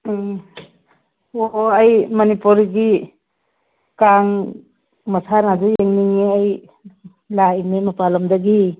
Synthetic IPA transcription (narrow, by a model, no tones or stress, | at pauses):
oajmɔnipuɾɡi | kaŋ | masʰanadujeŋniŋiaj | lajmemapalɔmdaɡi